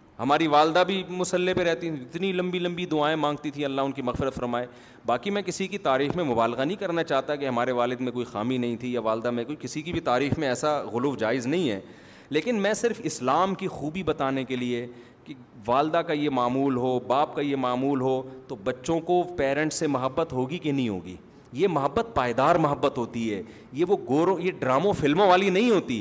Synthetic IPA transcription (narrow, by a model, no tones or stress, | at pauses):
ɦɐmaːɾiʋaːld̪abʱimʊsəlːepeɾɛɦt̪it̪ʰiɪt̪nilɐ̃mbilɐ̃mbid̪ʊaːẽmãːŋɡt̪it̪ʰĩɐlːaɦʊnkimɐɣfɪɾət̪fɐɾmaːe | baːkimɛ̃kɪsikit̪aːɾiːxmẽmʊbaːlɣanɐɦĩkɐɾnat͡ʃaːɦt̪akeɦɐmaːɾeʋaːlɪd̪mẽkoːixaːminɐɦĩt̪ʰijaʋaːld̪amẽkoikɪsikibʱit̪aːɾiːxmẽɛːsaɣʊluːʋd͡ʒaːɪznɐɦĩɦɛ̰ː | leːkɪnmɛ̃sɪɾfɪslaːmkixuːbibɐt̪aːnekelie | ke | ʋaːld̪akajemaːmuːlɦoːbaːp̚kajemaːmuːlɦoːt̪obɐtːʃõkopɛːɾə̃ɳʈsemɐɦəbːət̪ɦoːɡikenɐɦĩɦo̰ːɡḭː | jemɐɦəbːət̪̚paːɪd̪aːɾmʊɦəbːət̪ɦoːt̪iɦɛː | jeʋoɡoːɾõjeɖɾaːmõfɪlmõʋaːlinɐɦĩɦoːt̪i